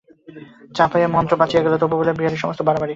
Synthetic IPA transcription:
t͡ɕapʰojemɔnt̪ɾopat͡ɕʰieɡelot̪obobolebɾiɦaɾeɾʃɔmost̪obaɾobaɾi

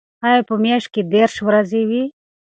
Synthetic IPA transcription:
aepəmeʂ̚ked̪eɾʃwɾazewi

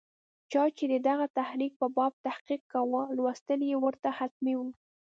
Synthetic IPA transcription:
t͡ʃɑt͡ʃed̪əd̪aɣat̪ahɾik̚pəbɑb̚t̪ahqiq̚kːawalwast̪əljewəɾt̪ahat̪̚miwu

